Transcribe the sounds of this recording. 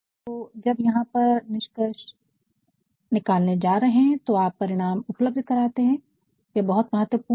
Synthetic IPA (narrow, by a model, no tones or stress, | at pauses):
t̪oːd͡ʒɐbjɐɦãpɐɾnɪʃkəʃ | nɪkaːlned͡ʒaːɾɐɦeɦɛ̃t̪oaːpːɐɾɪɽ̃aːmʊpləb̚d̪ʱkɐɾaːt̪eɦɛ̃ | jɐbɐɦʊt̪mɐɦət̪əpuː